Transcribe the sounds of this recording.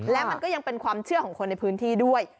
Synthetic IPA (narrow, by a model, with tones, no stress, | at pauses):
lɛː˦˥wa˧nkɔː˥˩ja˧ŋpe˧nkʰwaː˧mt͡ɕʰɯ˥˩əkʰɔː˩˦ŋkʰo˧nːa˧jpʰɯː˦˥nt̪ʰiː˥˩du˥˩əj